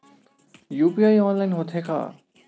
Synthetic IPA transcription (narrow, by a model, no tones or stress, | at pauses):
jupiajɔnlajnɦot̪ʰekʰa̰